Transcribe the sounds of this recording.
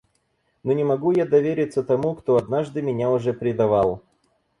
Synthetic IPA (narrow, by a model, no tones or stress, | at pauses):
nonʲɪmɐɡujad̪ɐvʲeɾʲɪt̪sːət̪ɐmukt̪oɐd̪naʐd̪ɨmʲɪnʲaʊʐɛpɾʲɪd̪ɐvalˠ